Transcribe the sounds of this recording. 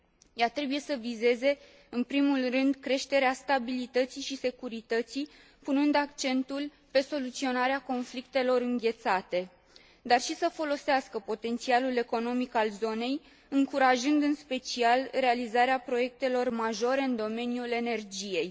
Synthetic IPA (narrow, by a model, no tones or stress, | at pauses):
jat̪ɾe̞buje̞səvize̞ze̞ | ɨnpɾimulrɨnd̪kɾe̞ʃt̪e̞ɾeast̪abilit̪ət̪siʃise̞kuɾit̪ət̪si | punɨnd̪akt͡ʃe̞nt̪ul | pe̞so̞lut̪sio̞naɾeako̞nflikt̪e̞lo̞ɾɨŋɡʲe̞t̪sat̪e̞ | d̪arʃisəfo̞lo̞seaskəpo̞t̪e̞nt̪sialule̞ko̞no̞mikalzo̞ne̞j | ɨŋkuɾaʒɨnd̪ɨnspe̞t͡ʃialre̞alizaɾeapɾo̞je̞k̚t̪e̞lo̞rmaʒo̞ɾe̞ɨnd̪o̞me̞njule̞ne̞rd͡ʒije̞j